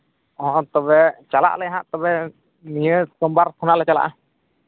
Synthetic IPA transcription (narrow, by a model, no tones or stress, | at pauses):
ɔɦɔ̃t̪ɔβɛt͡ʃala̰ʔlɛjɦaʔt̪ɔβɛ | nijəsəmbaɾt̪ʰunaʔlɛt͡ʃala̰ʔa